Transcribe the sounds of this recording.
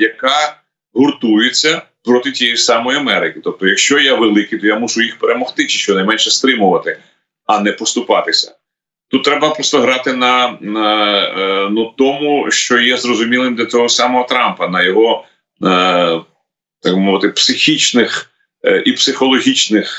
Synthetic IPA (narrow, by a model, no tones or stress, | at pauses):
jɐkɑ | ɦɔrt̪ujɪt͡sʲːɐpɾɔt̪ɪtʲijɛjisɑmɔjiɐmɛɾɪkʲɪt̪ɔp̚t̪ɔjɐkʃt͡ʃɔjɛʋelˠɪkɪjt̪ɔjamuʃʊjixpeɾemɔxt̪ɪt͡ʃɪ̥ʃt͡ʃɔnɐjmɛnʃɛst̪ɾɪmʊʋɐt̪ɪ | ɐnɛpɔst̪ʊpɑt̪ɪsʲɐ̥̰ | t̪ut̪ːɾɛbɐpɾɔst̪ɔɦɾɑt̪ɪnɐ | nut̪ɔmuʃt͡ʃɔjɛzrɔzʊmʲilˠɪmd̪lʲɐt͡sʲɔɦɔsɑmɔɦɔt̪ɾɑmpɐnɐjɔɦɔ | t̪ɑɡ̚bmɔʋɪt̪ɪpsɪxʲit͡ʃnɪx | ʔipsɪxɔlˠɔɦʲit͡ʃnɪx